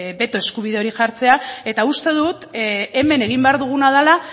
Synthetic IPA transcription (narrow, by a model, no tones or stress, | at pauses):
be̞t̪o̞e̞skuβ̞iðeo̞ɾiʝaɾt͡se̞ae̞t̪aust̪e̞ðut̪e̞me̞ne̞ɣ̞imbe̞aɾðuɣ̞unaðala